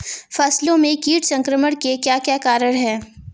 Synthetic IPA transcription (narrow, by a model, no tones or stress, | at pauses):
fɐslõmẽkiːʈsɐ̃ŋkɾəməɽkekjaːkjaːkaːɾəɽ̃ɦɛː